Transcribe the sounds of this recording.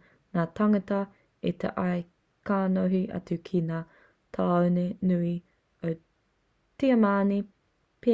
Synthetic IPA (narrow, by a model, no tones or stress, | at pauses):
naːt̪ɐŋɐtɐ | it̪ḛʔɐj | kʰaːnoɦiʔɐ̰t͡sukʰinaː | tʰaːwnenui | ow | tiɐmaːni | pe